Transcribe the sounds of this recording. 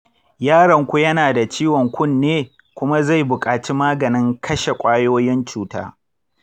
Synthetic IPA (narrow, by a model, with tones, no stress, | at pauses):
jaː˦ɽɐ˨ŋkʷu˦jɐ˦naː˨da˨t͡ʃiː˦wɔ˨ŋkʷʊ˦˨nːeː˦ | kʷʊ˦ma˦za˦˨jbʊ˨kʼaː˨t͡ʃi˦maː˦ɡɐ˨nɪ˦ŋkʰɐ˦ʃe˨kʷʼaː˦joː˦jɪ˦nt͡ʃuː˦ta̰ː˦